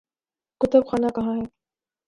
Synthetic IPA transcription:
kʊt̪ʊbxaːnakɐɦãɦɛː

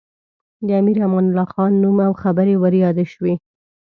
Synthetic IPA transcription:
d̪əamiɾamɑnʊlɑxɑnːumawxabəɾewəɾjɑd̪eʃwe

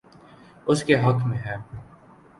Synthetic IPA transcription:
ʊskeɦɐkʰmẽɦɛː

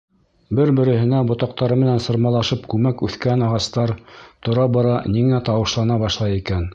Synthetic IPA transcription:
bɘɾbɘ̆ɾɘ̆hɘ̆næbŏt̪ɑq̚t̪ɑɾɤmɘ̆nænsɤ̆ɾmɑlˠɑʃɤpkʉmækʉθkænɑʁɑst̪ɑɾt̪ŏɾɑbɑɾɑniŋæt̪ɑwɤ̆ʃlˠɑnɑbɑʃlˠɑjikæn

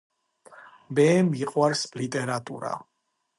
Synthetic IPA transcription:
bɛmiqʼwaɾslit̪ʼɛɾat̪ʼṵɾa̰

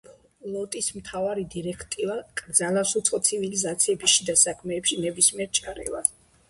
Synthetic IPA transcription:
lɔt̪ʼismt̪ʰavaɾid̪iɾɛkʰt̪ʼivakʼɾd̪zalasut̪sʰʼχʼɔt̪sʰivilizat̪sʰiɛbisʃid̪asakʰmɛːpʃinɛbismiɛɾt͡ʃʼaɾɛ̰va̰

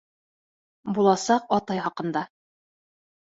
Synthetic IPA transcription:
bulˠɑsɑqɒt̪ɑjχɑqɤ̆nd̪ɑ

